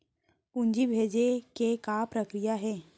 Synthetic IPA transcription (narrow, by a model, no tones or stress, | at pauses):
ʊɲd͡ʒibʱeːd͡ʒekekapɾəkɾijaɦɛː